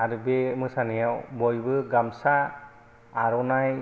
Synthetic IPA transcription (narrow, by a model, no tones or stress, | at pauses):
aɾɯbemɯsanijawbɔjbɯɡamsaː | ɾɔnaj